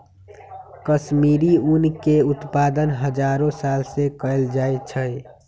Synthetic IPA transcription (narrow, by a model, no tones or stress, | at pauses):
kəʃmiːɾiunkeʊt̪paːd̪ənɦəd͡ʒaɾõsaːlsekəld͡ʒaːet͡ʃʰəj